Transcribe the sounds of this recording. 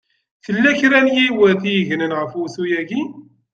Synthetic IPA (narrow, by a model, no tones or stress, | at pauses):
θəlːæçɾænjiwəðθijəʝnənʁəfuθujæɡi